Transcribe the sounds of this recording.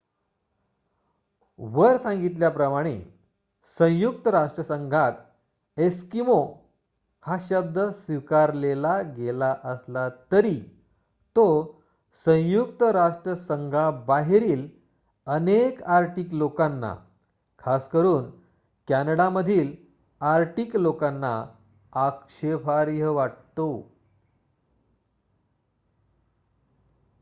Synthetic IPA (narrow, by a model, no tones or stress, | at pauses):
ʋəɾsãŋɡit̪̬ljapɾəmaɽ̃ḛ | sə̃w̃juk̚t̪əɾaʂʈɾəsəŋɡʱat̪ | eskimo | haɕəb̚d̪əsʋikaɾlelaɡelaʔəslat̪əɾi | t̪o | sə̃w̃juk̚t̪əɾaʂʈɾəsəŋɡʱabaɦeɾiːl | ənekaɾʈiːklokanːa̰ | kʰaskəɾuːn | kanəɽaməd̪ʱiːl | aɾʈiːklokãnːa̰ | akʂepʰaɾjəʋaʈ̚t̪o